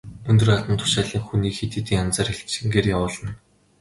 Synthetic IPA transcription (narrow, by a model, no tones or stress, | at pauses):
ɵnt̪ɵ̆rat̪ə̆nt̪ʰʊ̥ʃaːɮiːŋxuniːkxet̪eːt̪iːŋant͡saːrxeɮt͡ɕ̪t͡ɕɪ̆ŋɡeːrjawʊːɮə̆n